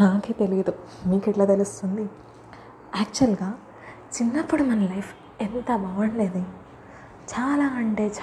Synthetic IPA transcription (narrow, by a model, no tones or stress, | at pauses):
naːket̪e̞lid̪umiːkiʈlaːt̪elust̪und̪i | ɛːk̚t͡ʃuɐlɡaː | t͡ʃinːɐpːuɽumɐnɐlɐjpʰ | ent̪ɐbʱɐʋɐnleːd̪i | t͡ʃaːlaːɐɳʈe̞ːt͡ʃ